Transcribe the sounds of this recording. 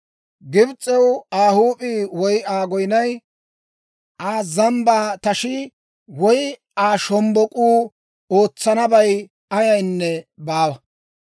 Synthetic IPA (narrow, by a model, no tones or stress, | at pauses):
ɡɪbt͡sʼːɛwaːhuːpʼiːwɔjaːɡɔjnɐj | ʔaːzɐmbaːt̪ɐʃɪ | wɔj | aːʃɔmbɔkʼuː | oːt͡sːɐnɐbɐj | ɐjɐjnːɛbaːwɐ